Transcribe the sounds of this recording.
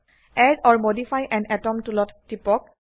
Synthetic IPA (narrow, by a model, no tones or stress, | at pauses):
ɛdɔɹmodifʰajʔɛ̃nɛtɔmtulɔtːipɔk̚